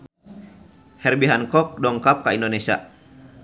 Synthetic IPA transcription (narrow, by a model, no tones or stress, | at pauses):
hɛrbiɦankɔk̚dɔŋkap̚kaindonesia̰